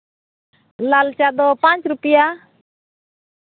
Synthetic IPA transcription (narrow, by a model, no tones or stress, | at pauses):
lalt͡ʃad̪ɔpãt͡ʃɾupija